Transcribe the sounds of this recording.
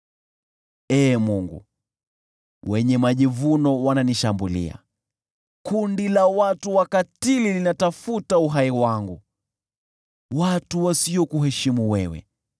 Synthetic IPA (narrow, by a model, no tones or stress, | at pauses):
ɛːmuŋɡṵ | wɛɲɛmaʄivunɔwananiʃambulḭa̰ | kundilawatuwakatililinatafutauɦaiwaŋɡu | watuwasiɔkuɦɛʃimuwɛwɛ̰